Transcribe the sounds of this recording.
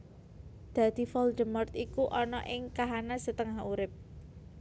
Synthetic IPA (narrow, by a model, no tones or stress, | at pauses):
d̪̥ä̤d̪̥i̤fɔld̪əmɔrt̪ikuʔɔnɔ̰ʔɪŋkaɦanasət̪əŋahuɾɪp̚